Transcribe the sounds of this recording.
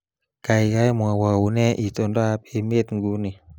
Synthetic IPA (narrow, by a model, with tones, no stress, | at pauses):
ka˨ikajmua˨wa˨u˨ne˦ʔi˨t̪ɔnda˦ape˧me˦t̪ŋɡu˦ni˨